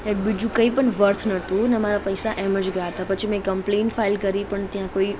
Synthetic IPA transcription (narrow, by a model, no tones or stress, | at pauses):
ebid͡ʒũkəipəɳʋəɾt̪ʰnət̪ũnemaɾapəjsaʔɛməd͡ʒɡəjaɦət̪apət͡ʃʰim̃ẽkəmplenʈfailkəɾipəɳt̪jãkoi